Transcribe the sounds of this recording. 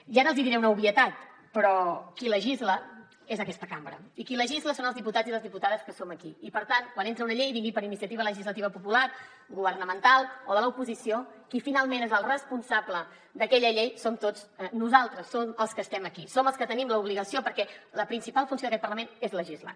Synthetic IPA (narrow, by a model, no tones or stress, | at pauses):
ʒaɾəlˠziðiɾɛwunəuβiət̪at̪ | pɾɔkiləʒizlə | ezəkɛst̪əkambɾə̰ikiləʒizləsonəlˠzðiput̪aziðəlˠzðiput̪aðəskəsoməkiipəɾt̪ankwanent̪ɾəunəʎejβiŋɡipəɾinisiət̪iβ̞ələʒizlət̪iβəpupulaɾ | ɡuβ̞əɾnəmənt̪alˠoðələupuzisijokifinalˠmẽnezəlˠrəspunsablə | d̪əkɛʎəʎejsomt̪od͡znuzalˠt̪ɾəsːoməlˠskəst̪ɛməkisoməlˠskət̪ənimləuβliɣəsiopəɾkɛləpɾinsipalˠfunsjoðəkɛt̪pəɾləmenezləʒizla̰